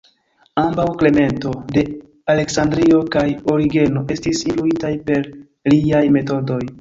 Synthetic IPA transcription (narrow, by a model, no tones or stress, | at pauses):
ambawkle̞me̞nto̞de̞ | ale̞ksandɾio̞kajo̞ɾiɡe̞no̞ʔe̞stisinfluitajpe̞ɾ | liajme̞to̞do̞j